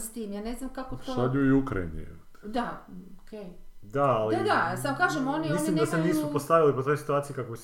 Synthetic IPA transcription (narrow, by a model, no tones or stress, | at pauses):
st̪imjaːneznamkakot̪oad̪ɲuiukɾa̰ḭnḭt̪d̪aokʰejd̪aːlid̪asamkaːʒemoniislimd̪aseniːsupost̪aʋilipot̪o̞jsi̥t̪uaːt̪sijekakobis